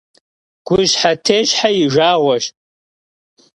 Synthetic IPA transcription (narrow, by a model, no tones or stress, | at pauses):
ɡ̥ʷʊʒħatʰeːʒħajɪʒʷaːʁʷɐʃ